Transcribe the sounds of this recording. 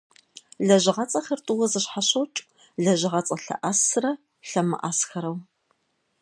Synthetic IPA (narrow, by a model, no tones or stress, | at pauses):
ɮɐʑɪʁɐt͡sʼɐxɐrtʼʊwɐzɨɕħaɕɐwt͡ʃʼ | ɮɐʑɪʁɐt͡sʼɐɬɐ̰ʔɐsɨrɐ | ɬɐmɨ̰ʔaːsxɐɾɐw